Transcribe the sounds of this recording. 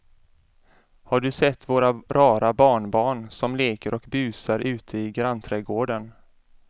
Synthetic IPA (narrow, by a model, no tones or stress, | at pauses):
haɖɵsɛt̪ːvoːɾaɾɑːɾabɑːɳbɑːɳsɔmleːkəɾʔɔkbʉ̟ːsaɾʔʉ̟ːt̪ʰəɪɡɾant̪ʰɾɛːɡoːɖən